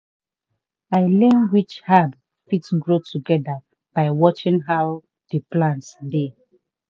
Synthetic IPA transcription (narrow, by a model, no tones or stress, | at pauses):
aɪlɛ̃nwit͡ʃhad | fitɡɹotʰuɡɛda | b̥aɪwɔt͡ʃĩŋɦaʊ | deplãntsde